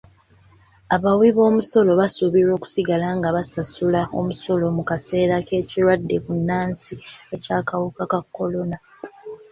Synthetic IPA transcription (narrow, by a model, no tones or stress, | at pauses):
aβawiβo̞ːmuso̞lo̞βasuβiɾo̞ːku̥siɡalaŋɡaβasasulao̞̰muso̞lo̞mukase̞ːɾake̞ːciɾwadːe̞kunːaːnsiecaːkawukakakːo̞lo̞na